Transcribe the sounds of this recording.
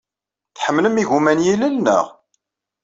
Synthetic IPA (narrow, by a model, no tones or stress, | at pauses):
θħəmːləmiʝumænjiləlnə̰ʁ